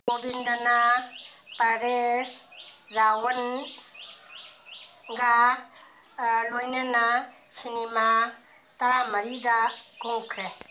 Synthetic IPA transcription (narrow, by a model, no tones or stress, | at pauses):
ɡobind̪ana | padesɾawən | ɡa | lojnana | sinima | t̪ɐɾamɐɾid̪akuŋkʰɾe